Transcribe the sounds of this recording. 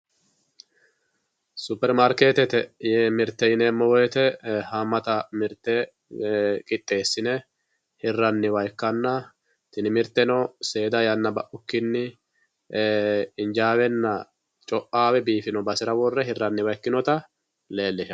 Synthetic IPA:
sʊpːɛɾmaɾkeːt̪ɛt̪ɛɛmɪɾt̪ːɛjɪnɛːmːɔwɔjɛt̪ɛhɐmɐt̪ɐmɪɾt̪ːɛ | kʼɪt̪ʼːe̞ːsːɪnɛ | hɪrːɐnːɪwɐjkːɐnːɐ | t̪ɪnɪmɪɾt̪ːɛnɔse̞ːd̪ɐjɐnːɐbɐʔʊkːɪnːɪ | ɪnd͡ʒaːwɛnːɐ | t͡ʃʼɔʔaːwɛbiːfɪnɔbɐsɪɾɐwɔrːɛɦɪrːɐnːɪwɐjkːɪnɔt̪ɐ | le̞ːlːɪʃɐ

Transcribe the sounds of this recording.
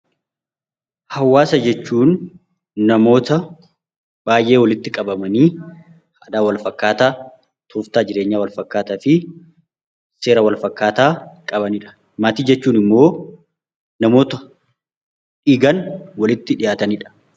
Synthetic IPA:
hɐwːaːsɐd͡ʒɛt͡ʃːuːnː | ɐmo̞ːt̪ɐ | b̥aːjʔe̞ːwɐlɪt̪ːɪkʼɐbɐmɐniː | haːd̪aːwɐlfɐkːaːt̪aː | t̪ʰʊft̪aːd͡ʒɪɾe̞ːɲːaːwɐlfɐkːaːt̪aːfɪ | se̞ːɾɐwɐlfɐkːaːt̪aːkʼɐbɐniᶑɐ̥ | maːt̪iːd͡ʒɛt͡ʃːuːnɪmːo̞ː | nɐmo̞ːt̪ɐ | ᶑɪɡɐnwɐlɪt̪ːɪᶑɪjaːt̪ɐniːᶑɐ̥

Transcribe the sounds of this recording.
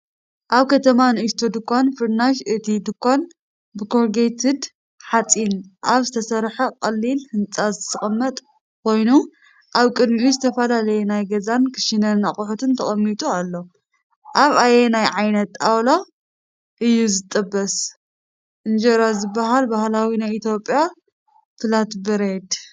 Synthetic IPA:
ʔaβkʰɐt̪ʰɐmanɨʔɨʃt̪ʰod̪ɨkʰːonfɨɾnaʃɨt̪ʰid̪ɨkʰːon | bɨkʰoɾɡejt̪ɨd̪ | ħat͡sʼinʔaβzɨt̪ʰɐsɐɾħɐkʼɐlːilhɨnt͡sʼazɨt̪ʰɨχʼɐmːɐt̪ʼ | kʰo̞jnu | ʔaβkʼɨd̪miʔuzɨt̪ʰɐfɐlalɐjenajɡɐzankʰɨ̥ʃinɐnːaχʼʊħut̪ʰɨnt̪ʰɐχʼɐmːit̪ʼualːo | ʔaβajenajʕajnɐt̪ːawlo | ʔɨjːuzɨt̪ʼɐbːɐs | ʔɨnd͡ʒɐɾazɨbːaɦalbahlawinajʔit̪ʰjopʼja | fɨlat̪bɨɾed̪

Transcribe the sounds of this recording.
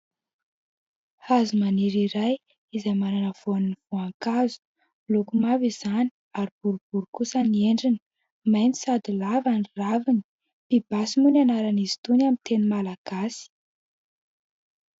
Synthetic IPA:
hazumaniɾiɾaj | izajmananəv̥oanniv̥oaŋkazu̥ | lokumavizani̥ | aɾib̥uɾub̥uɾukusənieɳɖ͡ʐini̥ | majnisad̪ilavaniravini̥ | pib̥asimunanaɾanizi̥t̪unamint̪enimalaɡ̥asi̥

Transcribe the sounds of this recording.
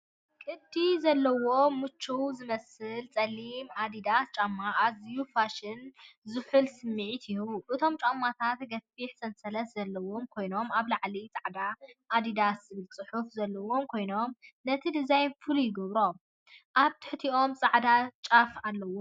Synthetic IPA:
kʼɨd̪ːizɐlːɐwo̞mɨt͡ʃʰːuwzɨmɐsɨlt͡sʼɐlːimad̪id̪ast͡ʃʼamːaʔazijufaʃɪnzɨħɨlsɨmːɨʕit̪ɪjuʔɨt̪ʰo̞mt͡ʃʼamːat̪ʰat̪ɡɐfiħsɐnsʼɐlɐszɐlːɐwo̞mkʰo̞jno̞maβlaʕlit͡sʼaʕd̪aʔːd̪id̪aszɨβɨlt͡sʼɨħufzɐlːɐwo̞mkʰo̞jno̞mnɐt̪ʰid̪ɨzajnfɨlujɪɡɐβɾo̞m | ʔaβt̪ʰɨ̥ħt̪ʰiʔo̞mt͡sʼaʕd̪at͡ʃʼafalːɐwo

